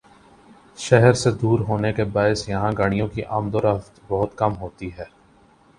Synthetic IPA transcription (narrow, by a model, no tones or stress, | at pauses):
ʃɛɦəɾsed̪uːɾɦoːnekebaːɪsjɐɦãɡaɽ̃ijõkiʔaːmd̪oɾɐft̪bɔɦʊt̪kɐmɦoːt̪iɦɛː